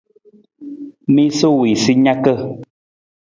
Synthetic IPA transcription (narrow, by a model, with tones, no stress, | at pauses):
mi˦so˦wi˨si˦ɲa˦kə˦˨